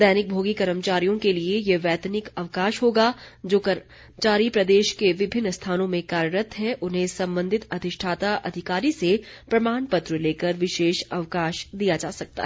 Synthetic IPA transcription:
d̪ɛːnɪk̚bʱoːɡikɐɾəmt͡ʃaːɾijõkeliejeʋɛːt̪ənɪkɐʋkaːʃɦoːɡad͡ʒoːkɐ | t͡ʃaːɾipɾɐd̪eːʃkeʋɪbʱɪnːst̪ʰaːnõmẽkaːɾəɾət̪ɦɛʔʊnɦẽsɐ̃mbə̃nd̪ʱɪt̪ɐt̪ɪʃʈʰaːt̪aʔɐ̰d̪ʱɪkaːɾisepɾɐmaːnpɐt̪ɾəleːkəɾʋɪʃeːʃɐʋkaːʃd̪ijad͡ʒaːsɐk̚t̪a̰ɦɛ

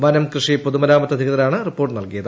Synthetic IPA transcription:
ʋanɐmkrɨʂipoðumɐɾaːmɐt̪ːɐd̪ʱiɣɐðɐɾaːɳɨripːoːʈːɨnɐlkijɐðɨ

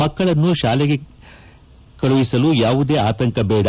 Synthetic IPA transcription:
ɐkːɐɭɐnːuʃaːlɛɡe̞ | kɐɽuʋisɐlujaːʋud̪e̞ːaːt̪ɐŋkɐbɛːɽɐ

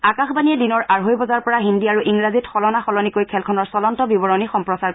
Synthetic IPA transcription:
akaxbaniɛdinɔɹʔaɹɦojbɔzaɹpɔɹaɦindiaɹuʔiŋɹazitxɔlɔnaxɔlɔnikojkʰɛlkʰɔnɔɹsɔlɔntɔbibɔɹɔnixɔmpɹɔsaɹ

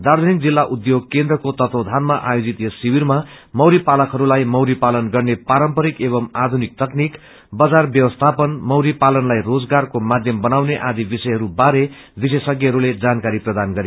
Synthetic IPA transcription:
d̪aɾd̪ʱʌnik̚d͡zilːaʔud̪joɡ̚kẽnd̪ɾrʌkot̪ʌt̪od̪ʱanmaʔajod͡zit̪jessiwiɾma | mʌwɾipalʌkɦʌɾulajmʌwɾipalʌnɡʌrnepaɾʌmpʌɾikeβʌmad̪ʱunik̚t̪ʌknik | bʌd͡zarbjʌwʌst̪ʰapʌnmʌwɾipalʌnlajrod͡zɡarkomad̪ʱjʌmbʌnawneʔãd̪ibisʌjɦʌɾubaɾe | bisesʌɡiɦʌɾuled͡zankaɾiprʌd̪anɡʌɾe

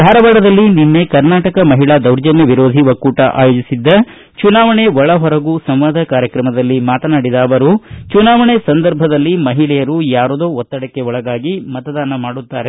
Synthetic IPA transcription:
d̪ʱaːɾɐʋɐɽɐd̪ɐlːininːe̞kɐɾnaːʈɐkɐmɐɦiɭaːd̪ɐwɾd͡ʒɐnjɐʋiɾoːd̪ʱiʋɐkːuːʈɐʔa̰ːjoːd͡ʒisid̪ːɐ | t͡ʃunaːʋɐɳe̞ʋɔɭɐɦɔɾɐɡusɐmʋaːd̪ʱɐkaːɾjɐkɾɐmɐd̪ɐlːimaːt̪ɐnaːɽid̪aːʋɐɾut͡ʃunaːʋɐɳesɐnd̪ɐɾbʱɐd̪ɐlːimɐɦiɭɛjɐɾujaːɾud̪oːɔt̪ːɐɽɐkːe̞ɔɭɐɡaːɡimɐt̪ɐd̪aːnɐmaːɽut̪ːaːɾe

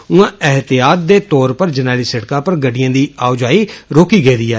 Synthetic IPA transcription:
ʊãːɛɦt̪ɪjaːt̪̚d̪eːt̪ɔːɾpəɾd͡ʒənaːliːsəɽkãːpəɾɡəɖɪjãːd̪iːaːʊd͡ʒaːiːɾoːkiːɡeːd̪iːɛː

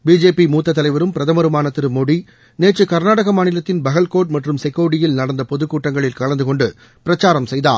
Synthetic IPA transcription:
biːd͡ʒeːpimuːt̪ːɐt̪ːɐlɐɪʋɐɾɯmpɪɾɐðɐmɐɾɯmaːnɐt̪ːɪɾɯmoɽi | neːt͡ʃːɯkɐɾnaːɽɐɣɐmaːnɪlɐt̪ːɪnbɐɣɐlkoːʈ̚mɐʈrɯmsɛkːɐːɽɪjɪlnɐɽɐnd̪ɐpɔðɯkːuːʈːɐŋɡɐɭɪlkɐɭɐnd̪ɯkɔɳɖɯ | pɪɾɐt͡ʃːaːɾɐmsɛjðaː

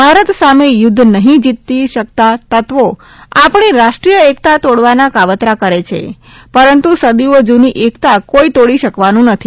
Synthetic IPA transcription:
bʱaɾət̪samejʊd̪ʱːnəɦĩd͡ʒit̪ːiʃək̚t̪at̪ət̪ʋo | apɳ̃iɾaʃʈɾijəek̚t̪at̪oɽʋanakaʋət̪ɾakəɾet͡ʃʰḛ | pəɾənt̪usəd̪iod͡ʒuniʔekt̪akoit̪oɽiʃəkʋanũnət̪ʰi

